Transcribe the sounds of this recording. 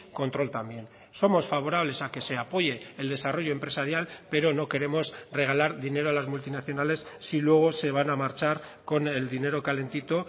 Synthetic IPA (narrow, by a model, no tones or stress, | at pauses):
ko̞nt̪ɾo̞lt̪ambje̞n | so̞mo̞sfaβ̞o̞ɾaβle̞sake̞se̞apo̞je̞ːld̪e̞saro̞ʝo̞e̞mpɾe̞saɾjalpe̞ɾo̞no̞ke̞ɾe̞mo̞sre̞ɣ̞alaɾðine̞ɾoalazmult̪inaθjo̞nale̞sːilwe̞ɣ̞o̞se̞β̞anamaɾt͡ʃaɾko̞ne̞ld̪ine̞ɾo̞kale̞nt̪it̪o̞